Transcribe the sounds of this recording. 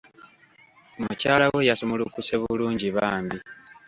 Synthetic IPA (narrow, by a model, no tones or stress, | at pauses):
mucaːlawejasomolukuseβuluːɲɟiβaːmbi